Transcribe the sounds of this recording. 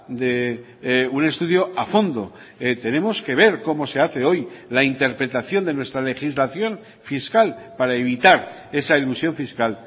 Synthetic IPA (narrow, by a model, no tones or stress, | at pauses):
d̪e̞ | une̞st̪uðjo̞afo̞nd̪o̞ | t̪e̞nẽ̞mo̞ske̞β̞e̞ɾko̞mo̞se̞aθe̞o̞jlaint̪e̞ɾpɾe̞t̪aθjo̞nd̪e̞nwe̞st̪ɾale̞xizlaθjo̞n | fiskalpaɾaeβ̞it̪aɾ | e̞sailusjo̞ɱfiskal